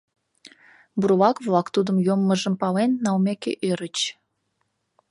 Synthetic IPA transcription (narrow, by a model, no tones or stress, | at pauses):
burβɑkβlɑkt̪ud̪əmjomːəʒəmpɑlenːɑwmʲekḛʔøɾət͡ɕ